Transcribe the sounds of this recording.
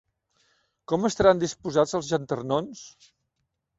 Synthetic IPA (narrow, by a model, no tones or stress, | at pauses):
kɔməst̪əɾand̪ispuzazəlˠzʒənt̪ərnons